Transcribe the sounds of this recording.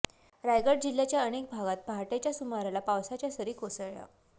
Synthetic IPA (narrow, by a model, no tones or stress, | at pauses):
ɾajɡəʈ̚d͡ʑilːjat͡ɕjaənek̚bʱaɡat̪̚bʱaʈet͡ɕjasumaɾalapawsat͡ɕjasəɾiːkosəɭɭa̰